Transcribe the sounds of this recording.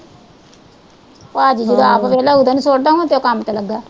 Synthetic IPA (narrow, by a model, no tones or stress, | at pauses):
pːd͡ʒid͡ʒəd̪õːaːpʋɛːlaːʊd̪anũːsoːɽd̪aːũãt̪eoːkamt̪eːləɡːaː